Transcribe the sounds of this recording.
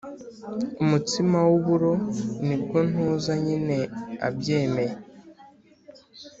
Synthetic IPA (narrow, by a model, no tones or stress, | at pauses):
umutimawuβuɾo̞niɡon̥huːzaɲine̞a̰bje̞ːme̞je